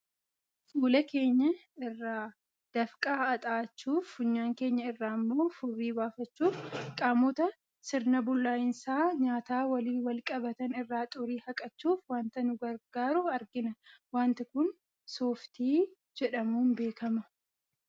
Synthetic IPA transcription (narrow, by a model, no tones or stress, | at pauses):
fuːlɛke̞ːɲːɐ | ɪrːaː | d̪̥ɐfkʼaːɐt̪ʼaːt͡ʃːuːfʊɲːaːŋke̞ːɲːɐɪrːaːmːo̞ːfʊrːiːbaːfɐt͡ʃːuːfkʼaːmɔt̪ɐ | sɪɾnɐbʊlːaːjɪnsaːɲaːt̪aːwɐliːwɐlkʼɐbɐt̪ɐnɪrːaːt̪ʼʊɾiːhɐkʼɐt͡ʃːuːfwaːnt̪ɐnʊɡɐɾɡaːɾʊɐɾɡɪnɐwaːnt̪ɪkʊn | soːft̪iː | d͡ʒɛᶑɐmuːnbe̞ːkɐmɐ